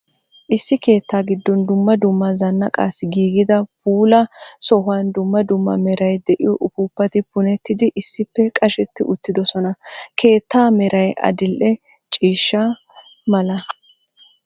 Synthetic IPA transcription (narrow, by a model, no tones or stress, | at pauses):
ʔɪsːɪke̞ːt̪ːaːɡɪd̪ːɔnd̪ʊmːɐd̪ʊmːɐzɐnːɐkʼa̰ːsːɪɡiːɡɪd̪ɐpuːlɐsɔɦʊwand̪ʊmːɐd̪ʊmːɐ̰mɛɾɐjd̪ɛʔɪ̰jɔʔʊpuːpːɐt̪ɪpʊnɛt̪ːɪd̪ɪʔɪsːɪpːɛkʼɐʃɛt̪ːɪʔʊt̪ːɪd̪ɔsɔnɐkʰe̞ːt̪ːaːmɛɾʔɐjɐ̰d̪ɪlʔɛ | t͡ʃʼiːʃːa | mɐlɐ